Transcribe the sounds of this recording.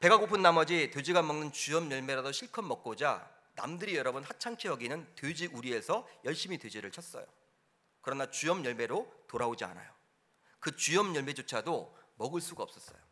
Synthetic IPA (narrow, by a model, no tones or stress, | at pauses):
pe̞ɡaɡopʰɯnːamʌd͡ʑited͡ʑiɡamʌŋnɯnt͡ɕujʌmjʌɭme̞ɾadoɕʰiɭkʰʌmːʌk̚k͈od͡ʑa̰ | na̰mdɯɾijʌɾʌbɯnhat͡ɕʰaŋt͡ɕʰeʌɡinɯnted͡ʑiʔuɾie̞sʰʌjʌɭɕ͈imited͡ʑiɾɯɭt͡ɕʰʌs͈ʌ̰jo̰ | kɯɾʌnat͡ɕuʌmjʌɭme̞ɾotoɾaod͡ʑia̰na̰jo | kɯt͡ɕujʌmjʌɭme̞d͡ʑot͡ɕʰadomʌɡɯɭs͈uɡaʌp̚s͈ʌs͈ʌ̰jo